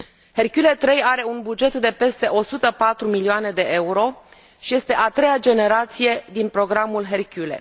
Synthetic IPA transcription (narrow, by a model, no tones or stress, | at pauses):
he̞rkʲjule̞t̪ɾe̞jaɾe̞unbud͡ʒe̞t̪d̪e̞pe̞st̪e̞ʔo̞sut̪əpat̪ɾumilioane̞d̪e̞ʔe̞uɾo̞ | ʃije̞st̪e̞ʔat̪ɾe̞jad͡ʒe̞ne̞ɾat̪sije̞d̪inpɾo̞ɡɾamulɦe̞rkʲule̞̰